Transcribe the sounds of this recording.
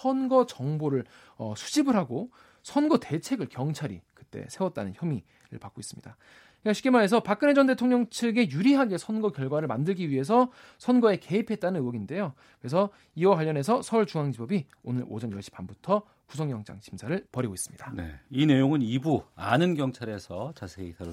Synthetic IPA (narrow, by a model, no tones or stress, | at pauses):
sʰʌnɡʌt͡ɕʌŋboɾɯɭ | ʌsʰu̥d͡ʑibɯɾɦaɡo | sʰʌnɡʌte̞t͡ɕʰe̞ɡɯɭkjʌŋt͡ɕʰaɾḭkɯt͈e̞̰sʰe̞wʌt̚t͈anɯnçjʌmi | ɾɯ̰ɭpak͈ois͈ɯ̥mɲid̥a | kaɕʰi̥k͈emaɾe̞s̬ʰʌpak̚k͈ɯne̞d͡ʑʌnde̞tʰoŋɲʌŋt͡ɕʰɯɡe̞juɾiɦaɡe̞sʰʌnɡʌkjʌɭɡwaɾɯɭmandɯɭɡiɥiɦe̞s̬ʰʌ | sʰʌnɡʌe̞ke̞ɦipʰe̞t̚t͈anɯnɯwʌɡinde̞jo | kɯɾe̞s̬ʰʌ | iwakwaʎːʌne̞s̬ʰʌsʰʌuɭt͡ɕuŋaŋd͡ʑibʌbi | onɯɾo̰d͡ʑʌnjʌɭɕ͈ʰi̥p͈ʰanbutʰʌ | kusʰʌŋjʌŋd͡ʑ͈a̰ŋɕʰimsʰaɾɯɭpʌɾiɡois͈ɯmɲid̥ane̞̰ine̞joŋɯnibua̰nɯnɡjʌŋt͡ɕʰaɾe̞sʰʌt͡ɕasʰe̞isʰaɾ